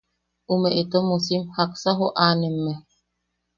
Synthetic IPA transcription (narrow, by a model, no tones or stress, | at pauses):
umeʔet̪omusimhaksaɦoʔanemːɛ